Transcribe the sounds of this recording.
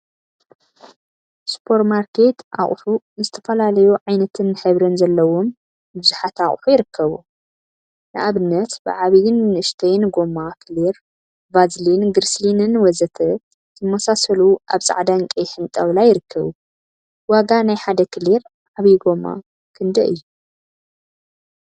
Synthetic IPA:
spʰo̞ɾtmaɾkʰe̞t̪ʔa̰χʼħu | zɨt̪ʰɐ̥fɐlalɐjuʕajnɐt̪ʰɨnħɨβɾɨnzɐlːɐwom | bɨzuħat̪aχʼħujɪɾɨkʰːɐβṵ | nɨ̰ʔaβɨnːɐt̪b̥ɨ̰ʕaβijɪnːɨʃt̪ʰejnɡo̞mːakʰɨliɾ | bazlinɡɨɾslinɨnwɐzɐt̪ʰɐ | t̪ʰɨmːɐsasɐluʔa̰βsʼa̰ʕd̪aŋkʼejħɨnt̪ʼɐβlajɪɾɨkːɐβṵ | waɡanajħad̪ɐkʰɨliɾ | ʕaβiɡo̞ma̰ | kʰɨnd̪ɐʔɨ̰jːu

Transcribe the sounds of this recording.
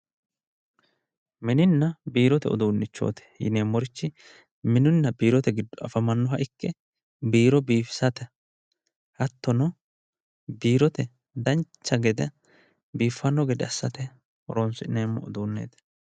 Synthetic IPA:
mɪnɪnːɐbiːɾɔt̪ɛɔ̰d̪uːnːɪt͡ʃːo̰ːt̪ʰɛ̥jɪ̰neːmːɔɾɪt͡ʃːɪ | mɪnʊnːɐbiːɾɔt̪ɛɡɪd̪ːɔɐfɐmɐnːɔɦɐʔɪkːɛ | biːɾɔbiːfɪ̥sɐt̪ɛ | hɐt̪ːɔnɔ | biːɾɔt̪ɛ | d̪ɐnt͡ʃːɐɡɛd̪ɛ | biːfːɐnːɔɡɛd̪ɪɐsːɐt̪ɛ | ɔ̰ɾonsʊɪneːmːɔ̰ɔ̰d̪uːnːḛːt̪

